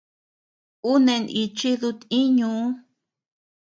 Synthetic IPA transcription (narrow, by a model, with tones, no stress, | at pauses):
u˦nẽ˧ni˧t͡ʃi˦ðu˧t̪ĩ˦ɲũ˨˧˦